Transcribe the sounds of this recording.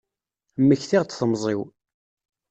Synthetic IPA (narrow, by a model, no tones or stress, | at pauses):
mːəçθiʁt̪θəmzˤiw